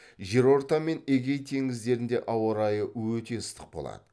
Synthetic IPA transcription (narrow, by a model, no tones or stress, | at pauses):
ʒe̞ɾo̞ɾt̪ɑme̞neɡʲe̞jt̪ʰe̞ŋɪzd̪e̞ɾɪnd̪e̞ʔɑwɾɑjəwɵt̪e̞əst̪ʰəq̚bo̞̰lˠɑ̰d̪̥ə